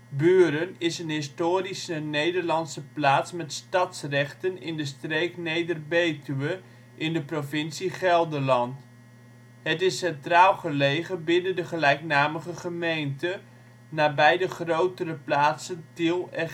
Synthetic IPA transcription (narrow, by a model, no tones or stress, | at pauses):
byːɾənɪsənɦɪstoːrisənejdərlɑnsəplaːtsmɛtstɑtsrɛχtənɪndəstreːknejdərbejtyʋə | ʔɪndəprovɪnsiχɛlˠdəlɑnt | ɦətɪsːɛntraːlˠχəlejχəbɪnəndəχəlɛjknaːməχəχəmejntə | naːbɛjdəχrowtərəplaːtsəntilˠɛ